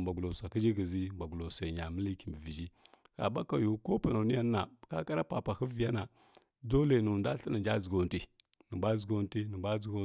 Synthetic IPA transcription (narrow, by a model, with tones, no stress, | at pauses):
ba˨ɡu˨lo˨sa˨ki˦d͡ʒi˦ɡi˨zi˦mba˨ɡu˨lo˨sa˨ɲa˨mə˦li˦ki˨mbə˨vi˨d͡ʒi˦ka̰˨ba˦ka˨ju˨˦ko˦pə˨na˨ni˦aː˦a˨ka˦ka˦ɾa˦pa˨pa˨hə˦vi˨ja˦na˨ | do˦le˨nu˨nda˦ɬə˦na˨nd͡ʒa˦d͡zu˨ɡo˨ti˦ | nə˨ba˦d͡zu˨ɡo˦ti˦nə˨ba˦d͡zu˦ɡo˦